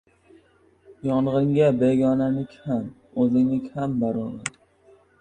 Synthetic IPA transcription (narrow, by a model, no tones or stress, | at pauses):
jɒɴʁɪŋɡʲabeɡʲɒnanɪkʲham | ɵzɪŋnɪkʲhambaɾɒna